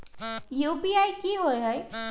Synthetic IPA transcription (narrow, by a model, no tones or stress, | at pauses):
juːpiajkiɦoeɦɔj